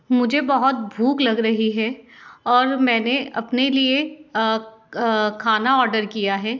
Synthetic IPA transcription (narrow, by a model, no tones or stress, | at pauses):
mʊd͡ʒʱebɐɦʊt̪̚bʱuːklɐɡɾɐɦiɦɛɔːɾmɛ̃ːneɐ̰pnelie | kʰaːnaɔːɾɖəɾkijaɦɛː